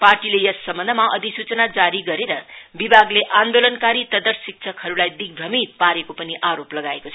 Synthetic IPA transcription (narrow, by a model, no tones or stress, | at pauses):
parʈilejʌsːʌmʌnd̪ʱmaʔʌd̪isut͡sʌnad͡zaɾiɡʌɾeɾʌbibʱaɡleʔand̪olʌnkaɾit̪ʌd̪ʌrsik̚t͡sʰʌkhʌɾulajd̪iɡ̚bʱʌmit̪̚paɾekopʌniʔaɾoplʌɡaekot͡sʰʌ